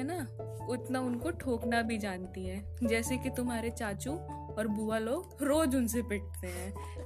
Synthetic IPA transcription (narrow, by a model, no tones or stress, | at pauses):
ɛna | ʊt̪naʊnkoʈʰoːknabʱid͡ʒaːnt̪iɦɛ̃ː | d͡ʒɛːsekit̪ʊmɦaːɾet͡ʃaːt͡ʃũ | ɔːɾbuːaloːɡ | ɾoːd͡ʒʊnsepɪʈ̚t̪eɦɛ̃ː